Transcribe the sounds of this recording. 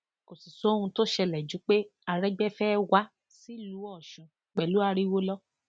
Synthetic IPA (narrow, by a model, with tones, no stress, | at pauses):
ko˨si˨so˨˦hũ˧to˦ʃɛ˧lɛ˨d͡ʒu˨˦k͡pe˦a˧ɾɛ˦ɡ͡bɛ˦fɛː˦wa˦ | si˦lu˨˦ɔ˦˨ʃũ˨ | k͡pɛ˨lu˨˦a˧˦ɾi˦wo˦lɔ˦